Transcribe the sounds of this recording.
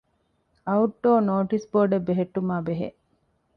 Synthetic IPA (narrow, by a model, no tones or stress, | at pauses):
ɐuʈːoːnoːʈisboːɖebːeɦeʈːumaːbeɦḛʔ